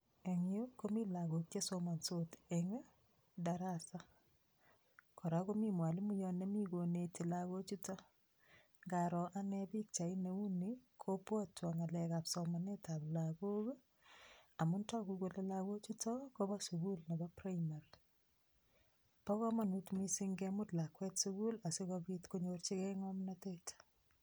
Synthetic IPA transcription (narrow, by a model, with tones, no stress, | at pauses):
e˨ŋio˦komi˦la˨ɡo˨k̚t͡ʃe˦so˦ma˨nso˦tɛŋɛ˦ | da˨ɾasa˦ | kʰɔ˨ɾa˦ko˦mi˦mwa˨li˦mu˦jɔ˦ne˦mi˦ɡo˨neti˨laɣo˦t͡ʃi˦tɔ˦ | ŋɡa˨ɾɔ˨ʔa˦nɛbi˦k̚t͡ʃa˨i˦ne˨u˦nikʰopwɔtwa˨ŋa˨lɛka˨psɔmane˦taplako˦k | a˨mʊ˦nta˦kukolɛ˦laɣo˦t͡ʃitʰɔkobɔsuɣu˦lne˨bɔpraimar | pɔ˦kɔ˦ma˨nutmisiŋɡɛmʊtla˨kwɛ˦tsuɣula˨si˦kɔbitko˦ɲort͡ʃi˦kɛŋɔmnatet